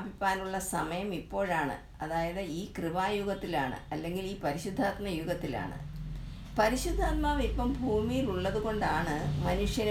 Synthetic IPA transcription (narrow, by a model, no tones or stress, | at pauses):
bʱipːaːnuɭːɐsɐmɐjɐmipːo̞ːɻaːɳɨ̰ | ɐðaːjɐðɨiːkrɨʋaːjuɣɐt̪ːilaːɳɨ̰ɐlːe̞ŋɡiliːpɐɾiɕud̪ʱːaːt̪mɐjuɣɐt̪ːila̰ːɳɨ̰ | pɐɾiɕud̪ʱːaːt̪̚maːʋipːɐmbʱuːmijiluɭːɐðuɣo̞ɳɖaːɳɨmɐnuʂjɐn